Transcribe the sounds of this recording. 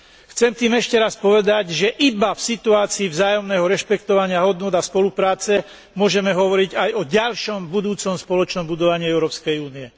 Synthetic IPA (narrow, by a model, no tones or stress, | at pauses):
xt͡sɛmt̪iːmɛʃcɛɾaspɔʋɛd̪aɟʒɛʔibafsit̪uaːt͡siːvzaːjɔmnɛːɦɔɾɛʃpɛkt̪ɔʋaɲɪaɦɔd̪nʊɔd̪aspɔlupɾaːt͡sɛ | mʊɔʒɛmɛɦɔʋɔɾiɟajɔɟalʃɔmbud̪uːt͡sɔmspɔlɔt͡ʃnɔmbud̪ɔʋaɲɪiɛʊɾɔːpskɛjuːniɛ